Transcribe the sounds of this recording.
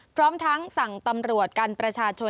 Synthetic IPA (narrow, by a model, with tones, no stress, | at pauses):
pʰɾɔː˦˥mt̪ʰa˦˥ŋsa˨˩ŋt̪a˧mɾu˨˩ət̪̚ka˧npɾa˧t͡ɕʰaː˧t͡ɕʰo˧